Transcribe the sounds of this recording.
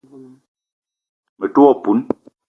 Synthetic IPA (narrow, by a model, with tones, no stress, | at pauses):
mə˨tu˦ɔ˦˨pu˨˦n